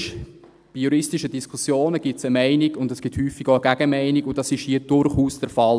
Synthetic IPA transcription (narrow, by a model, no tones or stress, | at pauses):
ʃ | b̥ijuɾɪstiʃədiskʰusjoːnəɡ̥ɪt͡səmæɪnɪɡ̥ʊndɛsɡ̥ɪthyːfːiɡoəɡ̥æɡ̥əmæɪniɡʊdɑsɪʃhiəd̥ʊɾχuːsd̥ɛɾfɑl